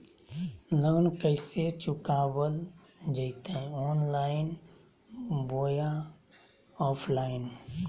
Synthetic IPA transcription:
lənkəɪset͡ʃukabəl | d͡ʒəɪt̪eɔːnlaɪn | boja | ɔpʰlaɪn

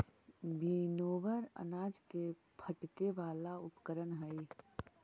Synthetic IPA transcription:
binoːʋəɾə̰naːd͡ʒke | pʰəʈkeʋaːlaʊpkəɾənɦəi

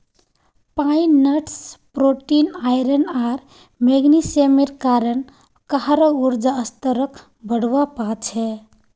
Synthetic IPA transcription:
painəʈspɾoʈinajɾənaɾ | meɡnisemiɾkaɾən | kəɦɾəuɾd͡ʒaəst̪əɾək | bəɽʋapat͡ʃʰɛ

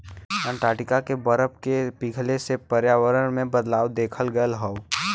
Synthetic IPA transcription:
ə̃nʈ̪aːʈɪkakebəɾəp̚kepiɡʱlesepəɾjaːwəɾənmẽbəd̪laːwd̪eːkʰəlɡəlɦɔo

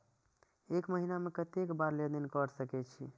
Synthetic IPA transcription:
ekməɦinamekət̪ekbaɾled̪inkəɾsəkɛt͡ʃʰi

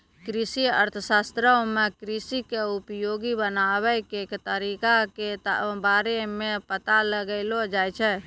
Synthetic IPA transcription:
kɾisiə̰ɾt̪ʰəsast̪ɾəmekɾisikeupjoɡibənabɛkekt̪əɾikaket̪baɾemẽpət̪aləɡəɪlod͡ʒajt͡ʃʰɛ

